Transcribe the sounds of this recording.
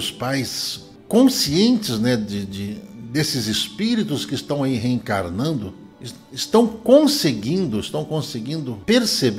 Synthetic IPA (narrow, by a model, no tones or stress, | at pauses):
ʊspajs | kõsiẽnt͡ʃɪznɛdɪd͡ʒɪd̪esɪzɪspiɾit̪ʊskɪst̪ɐ̃w̃aiɦeẽŋkaɾnɐ̃nd̪ʊ | s | ɪst̪ɐ̃w̃kõseɡĩnd̪ʊɪst̪ɐ̃w̃kõseɡĩnd̪ʊpeɾseb